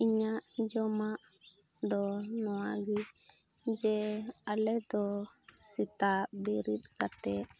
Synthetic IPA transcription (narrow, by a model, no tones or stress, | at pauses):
iɲaʔd͡ʒɔmaʔ | d̪ɔnɔwaɡi | d͡ʒɛalɛd̪ɔsit̪abiɾit̪̚kat̪ɛ